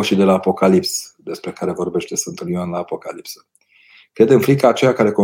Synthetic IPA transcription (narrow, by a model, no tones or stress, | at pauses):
ʃid̪e̞laːpo̞kalipsd̪e̞spɾe̞kaɾe̞vo̞rbe̞ʃt̪e̞səɨnt̪ɨlianlaːpo̞kalipsə̥ | kɾe̞d̪ɨnfɾikaːt͡ʃejakaɾe̞ko̞